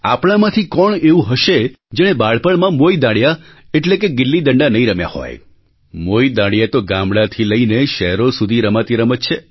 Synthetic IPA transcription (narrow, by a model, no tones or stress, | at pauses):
a̰pɽ̃amãt̪ʰikɔɳeũɦəʃe | d͡ʒeɽ̃ebaɭpəɭmãmojd̪aɽja | eʈlekeɡɪlːid̪əɳɖanəĩɾəmja̰hɔ̰j | mojd̪aɽjat̪oɡãmɽat̪ʰiləineʃɛɦɾosud̪ʱiɾəmat̪iɾəmət̪t͡ʃʰe